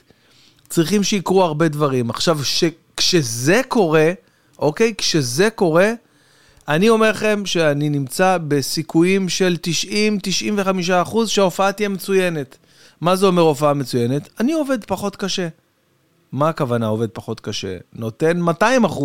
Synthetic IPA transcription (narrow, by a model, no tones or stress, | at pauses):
t͡sʁiχimʃeikʁuaʁbe̞dvaʁimaχʃavʃe | kʃe̞ze̞ko̞ʁe̞ | ʔo̞ke̞jkʃe̞ze̞ko̞ʁe̞ | anio̞me̞ʁχe̞mʃe̞aninimt͡sabe̞sikujimʃe̞lt̪iʃʔimt̪iʃʔimveχamiʃ̬aːχuzʃeao̞faat̪ijemet͡suje̞ne̞t̪ | mazeo̞me̞ʁo̞faame̞t͡suje̞ne̞tanio̞ve̞d̪paχo̞t̪kaʃe̞ | maːkavanao̞ved̪̚paχo̞t̪kaʃe̞̰no̞t̪e̞nmataimaχu